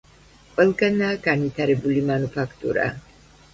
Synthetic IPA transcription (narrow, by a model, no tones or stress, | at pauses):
qʼwɛlˠɡanaːɡanvit̪ʰaɾɛbulimanupʰakʰt̪ʼṵɾa̰